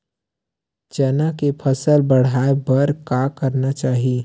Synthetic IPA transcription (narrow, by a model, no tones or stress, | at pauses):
d͡ʒɐnakepʰəsəlbɐɽ̤aːebɐɾkakəɾnat͡ʃaːɦie